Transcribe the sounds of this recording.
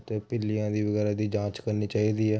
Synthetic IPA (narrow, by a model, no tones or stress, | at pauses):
t̪eːpɪlijãːd̪iːʋəɡɛːɾaːd̪iːd͡ʒãːt͡ʃkəɾniːt͡ʃaːiːd̪iːɛː